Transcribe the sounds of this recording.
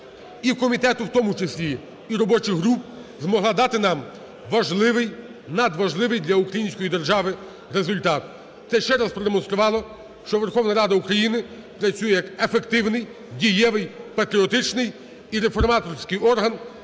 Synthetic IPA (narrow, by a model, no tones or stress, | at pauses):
iwkɔmʲit̪ɛt̪ʊwt̪ɔmʊt͡ʃesʲlʲiː | ɾɔbɔt͡ʃɪxɦɾup̚ | zmɔɦlˠɑd̪ɑt̪ɪnɑm | ʋɐʒlˠɪʋɪj | nɐd̪ʋɐʒlˠɪʋɪjd̪lʲɐukɾɐjinʲsʲkɔjid̪erʒɑʋɪ | rezʊlʲt̪ɑt̪ | t̪sɛʃt͡ʃɛɾɐspɾɔd̪emɔnst̪ɾʊʋɑlˠɔ | ʃt͡ʃɔʋerxɔʋnɐɾɑd̪ɐukɾɐjinɪ | pɾɐt͡sʲujɛjɐkefekt̪ɪwnɪj | dʲijɛʋɪjpɐt̪ɾʲiɔt̪ɪt͡ʃnɪj | iɾefɔrmɑt̪ɔrsʲkɪjɔrɦɐn